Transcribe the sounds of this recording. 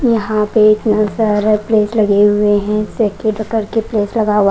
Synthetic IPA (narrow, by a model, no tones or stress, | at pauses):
jɐɦãpeɪt̪nasaːɾepleːslɐɡeɦʊeɦɛ̃sekeɖəkəɾkepleːslɐɡaːʋa